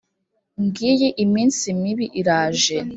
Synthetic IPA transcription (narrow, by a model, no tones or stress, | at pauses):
ŋɡijeʔimiːnsimiβiʔiɾaːʒe